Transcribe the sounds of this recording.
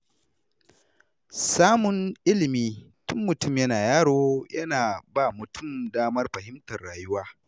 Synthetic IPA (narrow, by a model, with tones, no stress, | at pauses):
saː˦mʊ˨nʔɪ˦lɪ˨miː˦tʊ˦mːʊ˨tʊ˦˨mjɐ˦naː˨jaː˦ɽoː˦jɐ˦naː˨baː˦˨mʊ˨tʊ˦˨mdaː˦mɐ˦rɸɐ˨hɪ˦mtɐ˨rɽaː˨jʊ˦waː˦